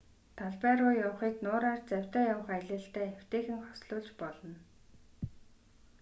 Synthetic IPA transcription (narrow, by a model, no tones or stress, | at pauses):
t̪ʰaɮpæːɾʊːjawχiːknʊːɾaːrt͡sæw̥ʲt̪æːjaw̆χæɮɘ̆ːɬt̪æːew̥ʲt̪eːxɘ̆ŋχɔ̥sɮʊːɮt͡ɕpɔɮɞ̆n